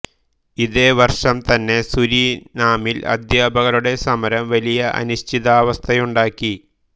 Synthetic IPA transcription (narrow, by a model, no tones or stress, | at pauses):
iðe̞ːʋɐrʂɐmt̪ɐnːe̞suɾiːnaːmilɐ̰d̪jaːbɐɣɐluɽe̞sɐmɐɾɐmʋɐlijɐʔɐ̰nuɕt̪ʰiðaːʋɐst̪ʰɐjuɳɖaːkːi